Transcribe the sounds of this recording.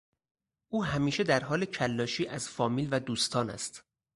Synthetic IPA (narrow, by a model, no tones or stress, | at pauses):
ʔuːɦæmiːʃe̞d̪æɾɦɒːle̞cʰælːɒːʃiːʔæz̥fɒːmiːlvæd̪uːst̪ʰɒːnæ̰st̪